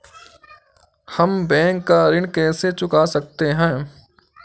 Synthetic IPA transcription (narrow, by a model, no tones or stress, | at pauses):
hɐmbɛ̃ːŋkːaɾɪɳkɛːset͡ʃʊkasɐk̚t̪eɦɛ̃ː